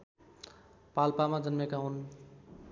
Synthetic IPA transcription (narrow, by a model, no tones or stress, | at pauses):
palpamãd͡ʒənmekaun